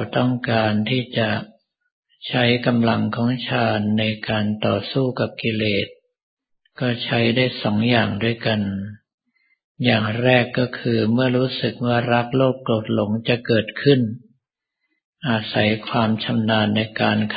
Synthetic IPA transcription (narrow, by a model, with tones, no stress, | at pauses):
t̪ɔ˥˩ŋkaː˧nt̪ʰiː˥˩t͡ɕa˨˩ | t͡ɕʰa˦˥jka˧mla˧ŋkʰɔː˩˦ŋt͡ɕʰaː˧nːa˧jkaː˧nt̪ɔː˨˩suː˥˩ka˨˩p̚ki˧leː˨˩t̪̚ | kɔː˥˩t͡ɕʰa˦˥jdaː˥˩jsɔː˩˦ŋjaː˨˩ŋdu˥˩əjka˧n | jaː˨˩ŋɾɛː˥˩kːɔː˥˩kʰɯː˧mɯ˥˩ɐɾuː˦˥sɯ˨˩k̚waː˥˩ɾa˦˥k̚loː˥˩k̚kloː˨˩t̪̚lo˩˦ŋt͡ɕa˨˩ʔkɤː˨˩t̪̚kʰɯ˥˩n | ʔa˧sa˩˦jkʰwaː˧mt͡ɕʰa˧mnaː˧nːa˧jkaː˧nkʰ